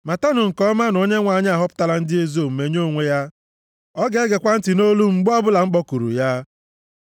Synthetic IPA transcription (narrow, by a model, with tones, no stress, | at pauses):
ma˨ta˦nʊ˨ŋ̩˨kɔ˦ma˦n˨o˦ɲe˦ŋʷa˨ɲ˦a˨ɦɔ˦pʊ̥˦ta˦la˦n̩˦dɪ˦e˦zo˦˨m̩˨me˨ɲ˦o˦˨ŋʷe˦ja˦ | ɔ˦ɡe˦ɡe˨kʷa˦n̩˦tɪ˨no˦lu˦ŋ͡m̩˨ɡ͡bɔ˦bʊ˦la˨ŋ͡m̩˦k͡pɔ˦ku˨ɾṵ˨ja˦